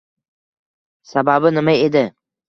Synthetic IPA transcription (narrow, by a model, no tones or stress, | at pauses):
sababɪnɪmaed̪ɪ